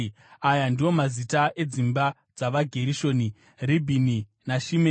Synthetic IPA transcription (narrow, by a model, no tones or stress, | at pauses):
ajandiwo̞mazitaʔe̞d͡zimba | d͡zaʋaɡʱe̞ɾiʃo̞ːni | ribʱini | naʃime